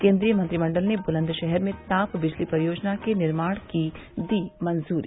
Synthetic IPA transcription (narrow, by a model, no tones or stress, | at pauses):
kẽːnd̪ɾijəmɐnt̪ɾimɐ̃ɳɖəlnebʊlə̃nd̪ʃɛɦɛɾmẽt̪aːpbɪd͡ʒlipɐɾjoːd͡ʒnakenɪɾmaːɽ̃ki | d̪iːmɐnzuːɾi